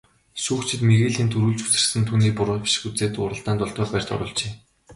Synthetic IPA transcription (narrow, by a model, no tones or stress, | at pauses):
suːxt͡ɕʰɪ̆t̪meɾeːɮiːnt̪ʰɵɾuːɮt͡ɕu̥t͡sɘ̆rsɘ̆nt̪ʰuːniːpʊɾʊpi̥ʃɪ̥̆xut͡seːt̪ʊ̰ːɾə̆ɮt̪aːnt̪ʊɮt̪ɔːrpær̥ʲt͡ɕɔ̰ɾʊ̰ːɮt͡ɕeː